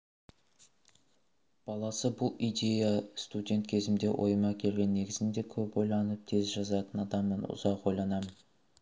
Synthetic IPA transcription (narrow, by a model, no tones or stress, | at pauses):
b̥ɑlˠɑsəbʊlˠijd̪ʲe̞jast̪udʲe̞nt̪kʲʰe̞zɪmd̪e̞wʔo̞̰jmɑkʲʰe̞lɡʲe̞nːe̞ɡʲɪzɪnd̪e̞kʲʰɵpo̞jlˠɑnəp̚t̪ʰe̞zʒɑzɑt̪ənɑd̪ɑmːənʊ̰zɑqwo̞jlˠɑnɑmən